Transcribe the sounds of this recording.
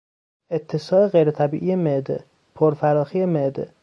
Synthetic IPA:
et̪ʰːesɒːe̞ɣejɾet̪ʰæbḭːʔijemed̪e | pʰoɾfæɾɒːxijemed̪ḛ

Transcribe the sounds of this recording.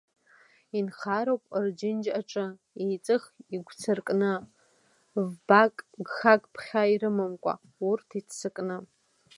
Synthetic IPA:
inχaɾowpʼrd͡ʒɪnd͡ʒaʈ͡ʂʼɨ | ejt͡sʼɨχiɡʷt͡sʰɨrkʼnɨ | vbakʼɡχakʼpʰχʲaiɾɨmɨmkʷʼa̰ | urtʰitʰsɨkʼnɨ

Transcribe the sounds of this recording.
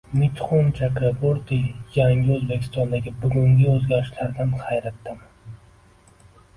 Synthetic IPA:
mɪt̪χont͡ʃʰakɾaboɾt̪ijaŋʲɪɵzbekʲʰɪst̪ɒnd̪aɡʲɪbʊɡʲʊŋɡʲɪɵzɡʲaɾɪʃlaɾd̪anhajɾat̪ːɪm

